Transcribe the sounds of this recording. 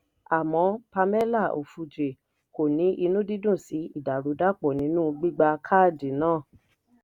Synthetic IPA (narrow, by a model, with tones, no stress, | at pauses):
a˨mɔ̃˨˧˦pa˧mɛ˦la˦˨o̰˨fu˧d͡ʒe˨ | ko˨nĩ˨˦ʔi˧nũ˦di˦dũ˦˨si˨˦i˦˨da˨ɾu˨˦da˦k͡pɔ˨nĩ˨˦nũ˦ɡ͡bi˦ɡ͡ba˧kʰa˦˨di˨nãː˦˨